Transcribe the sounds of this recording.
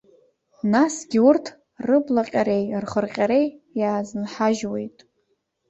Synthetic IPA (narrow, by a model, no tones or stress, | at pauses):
nasɡʲiurtʰ | rɨblaqʲʼaɾe̞jrχərqʲʼaɾe̞jjaːznħaʒwe̞̰jtʼ